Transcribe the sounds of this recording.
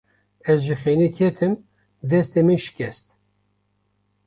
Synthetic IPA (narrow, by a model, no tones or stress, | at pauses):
ɛzʒixeːnikʰɛt̪ʰɨm | d̪ɛst̪emɨnʃɪ̥kʲʰɛst̪